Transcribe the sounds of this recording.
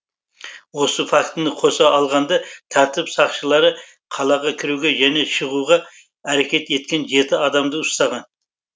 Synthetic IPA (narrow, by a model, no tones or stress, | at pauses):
wo̞səfɑkt̪nəqʰo̞sɑɑlˠʁɑnd̪ɑt̪ʰæɾt̪ɪpsɑqʃəlˠɑɾə | qʰɑlˠɑʁɑkʲʰɪɾuɡʲeʒæne̞ʃəʁuʁɑ | æɾekʲe̞t̪e̞t̪̚kʲe̞nʒe̞t̪ɪɑd̪ɑmd̪əʊst̪ɑʁɑn